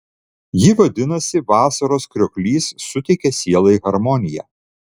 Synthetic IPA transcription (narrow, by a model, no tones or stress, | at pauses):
jɪʋɐd̪ʲɪnɐsʲɪʋɑːsɐɾoːskɾʲɔːkʲlʲiːsːʊt̪ʲɛɪkʲɛsʲiɛlˠɐiɣɐɾmɔnʲɪjæ̰ː